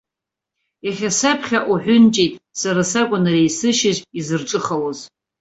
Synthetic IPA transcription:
aχʲasapʰχʲaʔuħʷᶣʊnt͡ʃʼejtʼsaɾasakʷʼʊnarejsɨʃɪʒizɨrʈ͡ʂʼɨχaloz

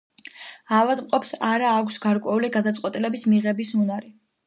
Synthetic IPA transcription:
avad̪mqʼɔpsaɾaːkʷʰsɡaɾkʼwɛuliɡad̪at̪sʼqʼwɛt̪ʼilɛbismiʁɛbisunaɾi

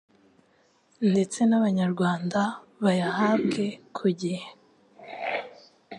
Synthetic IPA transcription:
nde̞t͡se̞naβaɲaɾɡwaːndaβajahabɡe̞kʰuɟihe

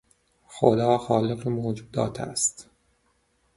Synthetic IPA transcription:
xo̰d̪ɒːxɒːleqemod͡ʒuːd̪ɒ̰ːt̪ʰæ̰st̪

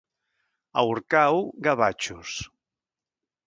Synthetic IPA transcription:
a̰wɾkawɡaβat͡ʃus

